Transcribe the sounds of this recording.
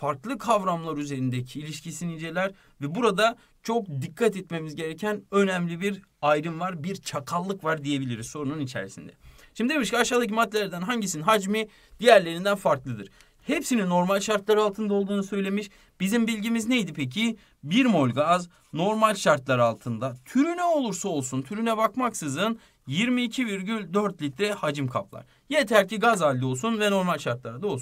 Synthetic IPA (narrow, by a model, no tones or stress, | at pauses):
faɾklˠɯkʰavɾamlˠaɾyze̞ɾind̪ecʰiːlʲiʃcʰisinid͡ʒe̞lʲæɾ | vɛbuɾad̪a | t͡ʃʰo̞k̚d̪ikʰːat̪ɛt̪me̞mizɟe̞ɾecʰænø̞næmlʲibiɾ | ajɾɯmvaɾbiɾt͡ʃʰakʰalˠːɯkvaɾd̪ije̞bilʲiɾizso̞ɾununit͡ʃʰḛɾisḭnd̪ɛ̰ | ʃimd̪ibiʃcaʃaːd̪acimat̪ʰːʲelʲæɾd̪ænɦaɲɟisininɦad͡ʒmi | d̪̥ijæɾlʲe̞ɾind̪ænfaɾklˠɯd̪ɯɾ̥ | hepsininːo̞ɾmalʲʃaɾt̪lˠaɾɯalˠt̪ʰɯnd̪ao̞lˠd̪uːnusø̞jlʲe̞miʃ | bizimbilʲɟimizne̞jd̪ipʰecʰi | biɾmo̞lʲɡaz | no̞ɾmalʲʃaɾt̪lˠaɾalˠt̪ʰɯnd̪at̪ʰyɾynɛo̞lˠuɾsao̞lˠsunt̪ʰyɾynɛbakmaksɯzɯn | jiɾmiːcʰiviɾɟylʲd̪øɾt̪lʲit̪ɾɛhad͡ʒɯmkʰa̰plˠa̰ɾ̥ | jet̪ʰæɾcʰiɡazalʲːio̞lˠsunvɛno̞ɾmalʲʃaɾt̪lˠaɾad̪ao̞lˠsun